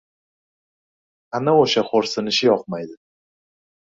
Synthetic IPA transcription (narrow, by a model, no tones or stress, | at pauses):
anaoʃaχoɾsɪnɪʃɪjɒq̚majd̪ɪ